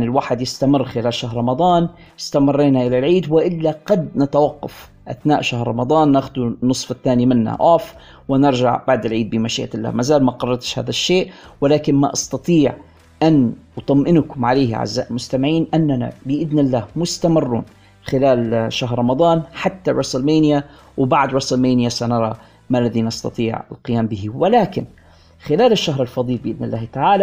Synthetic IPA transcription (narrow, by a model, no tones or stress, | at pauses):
nɪlwaːħɪd̪jɪst̪amɪrːxɪlaːlʃaɦɾˤɑmɑd̪ˤɑːn | ɪst̪amɪrˤːeːnaʔɪlalʕiːd̪wɪʔɪlːaɡɑd̪nat̪awaqːɑ̰f | ʔa̰θnaːʔʃahɾːˤɑmɑd̪ˤɑːnːaxʊd̪unːɨsˤfɪt̪ːaːnimɪnːa̰ʔaːf | wɪnɪɾˤʒa̰ʕb̥aʕd̪ɪlʕiːd̪̚bɪmaʃiːʔalːa̰ːmazaːlmaqɑrˤːɑɾt̪ʃha̰ːðaʃːeːʔwɪlaːkɪnma̰ʔɑ̰st̪ɑt̪ˤiːʕ | ʔanwt̪ˤɑmʔɪnkʊmʕaleːhʕa̰zːaːʔɪlmʊst̪amɪʕiːnʔanːana̰bɪʔɪðnɪlːaːhmʊst̪amɪrːṵːn | xɪlaːlʃaɦɾˤɾˤɑmɑd̪ˤɑːnħat̪ːaɾˤɑsˤlmeːnja | wbaʕd̪ɾˤɑsˤlmeːnɪjasanɑɾˤɑ | malːaðinɑst̪ɑ̰t̪ˤiːʕɪ̰lqɪjaːmbɪɦiwɪlaːkɪn | xɪlaːlɪʃːaɦɾˤɪlfɑd̪ˤiːlbɪʔɪðnɪlːaːht̪aʕaːla